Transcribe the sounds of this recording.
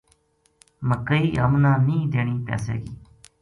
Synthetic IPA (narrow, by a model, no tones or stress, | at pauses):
məkːəiːʔəmnãːnĩːd̪eːɳ̃iːpɛ̰ːsɛ̰ːɡiː